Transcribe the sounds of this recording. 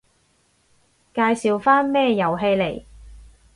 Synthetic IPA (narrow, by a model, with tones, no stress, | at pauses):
kaː˧jsiː˨wfaː˥nmɛː˥jɐ˨˩wɦe˧jle˨˩j